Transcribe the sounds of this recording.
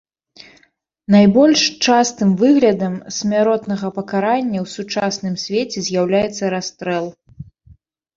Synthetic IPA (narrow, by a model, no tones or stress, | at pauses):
najbɔlʲʂt͡ʂast̪ɨmvɨɣlʲɐd̪ɐmsʲmʲaɾɔt̪nɐɣɐpɐkaɾanʲːɐwsut͡ʂasnɨmsʲvʲet͡sʲɛzʲjawlʲajɛt̪sːɐɾast̪ɾɛlˠ